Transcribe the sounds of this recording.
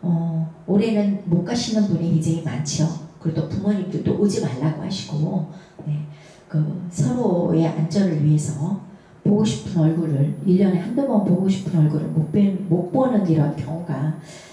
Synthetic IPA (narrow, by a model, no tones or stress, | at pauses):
ʌoɾenɯnmok͈aɕʰinɯnbuniind͡ʑʰeŋimant͡ɕʰiʌkɯɾedʰopumʌɲik͈it͈oʔod͡ʑimaɭːaɡohaɕʰi̥ɡ̥o | ne̞ | kɯsʰʌɾoe̞ʔa̰nd͡ʑʌɾɯɭɥiɦe̞sʰʌ | poɡoɕʰi̥pʰɯnʌɭɡuɾɯɭiʎːʌnehandomʌnpoɡoɕʰi̥pʰɯnʌɭɡuɾɯ̰ɭmok̚p͈emok̚p͈ʌnɯniɾʌnkjʌŋoɡa